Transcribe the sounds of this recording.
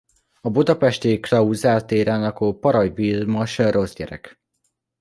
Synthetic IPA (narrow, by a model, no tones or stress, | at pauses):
ɒbud̪ɒpɛʃt̪eːklɒuzaːlt̪eːɾaːnɒkoːpɒɾɒjvilmɒʃro̞zɟɛɾɛ̰k